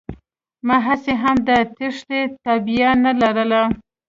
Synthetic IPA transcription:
mɑɦaseɦamd̪ət̪ɪʂlet̪abijanalaɾəla

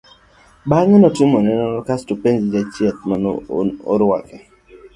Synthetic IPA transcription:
baŋɛnɔtɪmɔnɛnɔɾɔkastupenzid͡ʒat͡ʃjɛt̚manɔ̰o̰ɾʊwa̰kɛ

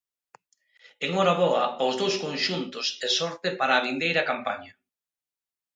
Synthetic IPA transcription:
eŋɔɾaβ̞ɔɐozðowskoŋʃunt̪ʊsesɔɾt̪ɪpaɾaːβind̪ejɾɐkampa̰ɲɐ

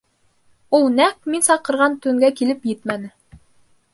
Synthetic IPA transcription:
ulˠnæk̚minsɑqɤ̆ɾʁɑnt̪ɵ̆ŋɡækilɘpjɘt̪mænɘ

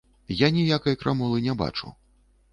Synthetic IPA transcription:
janʲijakɐjkɾʔamɔlˠɨnʲɛba̰t͡ʂṵ

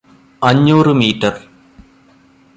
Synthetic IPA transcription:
ɐɲːuːrɨmiːtːɐr

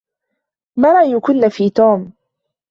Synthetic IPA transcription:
mɑɾˤɑʔjʊkʊnːafiːt̪uːm

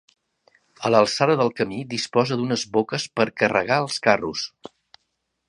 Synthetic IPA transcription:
ələlˠsaðəðəlˠkəmid̪ispɔzəd̪unəzβokəspəɾkərə̰ɣaəlˠskarus

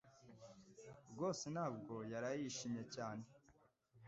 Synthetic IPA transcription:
bɡo̞ːsen̥haːb̚ɡo̞jaɾajiʃimje̞caːne̞

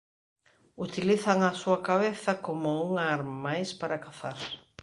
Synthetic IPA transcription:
ut̪iliθɐŋɐsuɐkaβeθɐkomʊuŋaɾmajspaɾakaθaɾ

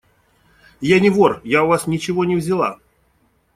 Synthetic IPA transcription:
janʲɪvorjaʊvasnʲɪt͡ɕɪvo̞nʲɪvzʲɪlˠa̰

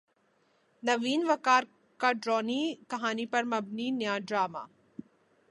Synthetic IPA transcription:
nɐʋiːnʋɐkaːɾ | kaɖɾɔːnikɐɦaːnipɐɾmɐbninjaːɖɾaːma̰ː

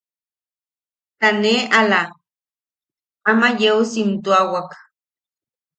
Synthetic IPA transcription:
t̪aneʔala | amajeusint̪uawak

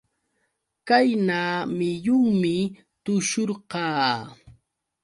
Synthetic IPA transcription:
kajnaːmɪjʊŋmɪ | t̪ʊʃoɾɢɑː

